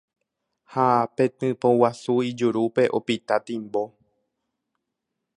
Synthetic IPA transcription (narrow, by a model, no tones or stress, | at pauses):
hapẽt̪ɨ̃põwasuid͡ʒuɾupe̞ʔopit̪at̪ĩmbo